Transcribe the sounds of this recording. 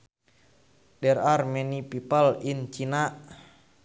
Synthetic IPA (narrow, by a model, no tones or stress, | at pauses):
dɛɾarmɛnipipalint͡ʃinaʔ